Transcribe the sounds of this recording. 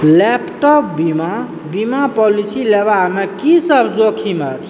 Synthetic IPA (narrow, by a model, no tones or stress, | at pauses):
lɛpʈɔp̚bima | bimapɔlisilebamekisəbʱd͡ʒokʰimət͡ʃʰ